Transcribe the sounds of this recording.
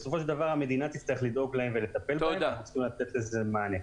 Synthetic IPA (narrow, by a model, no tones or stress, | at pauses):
esofo̞ʃ̬eld̪avaʁhame̞d̪inat̪it͡st̪aiχlid̪o̞ɡlaemvele̞t̪ape̞lbaemaauut͡si̥χimlat̪et̪lezemaːne